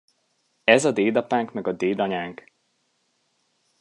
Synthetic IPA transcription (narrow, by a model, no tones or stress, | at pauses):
ɛzɒd̪eːd̪ɒpaːŋkmɛɡɒd̪eːd̪ɒɲaːŋk